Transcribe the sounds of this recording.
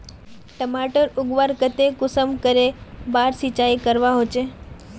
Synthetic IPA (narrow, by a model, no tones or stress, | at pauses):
ʈəmaʈəɾʊɡʋaɾkət̪ekʊsəmkəɾebaɾsit͡ʃaikəɾʋaɦot͡ʃʰe